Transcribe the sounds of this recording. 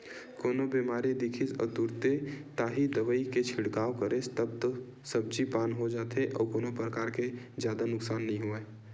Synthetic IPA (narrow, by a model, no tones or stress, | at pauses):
koːnobimaːɾid̪ɪkʰisɔ̰ːt̪uɾt̪et̪aːɦid̪əʋəiket͡ʃʰɪɽkaːʋkəɾest̪əbt̪o | səb̚d͡ʒipaːnɦod͡ʒaːt̪eʔɔ̰ːkoːnopɾəkaːɾked͡ʒjaːd̪anʊksaːnːɐɦĩɦueː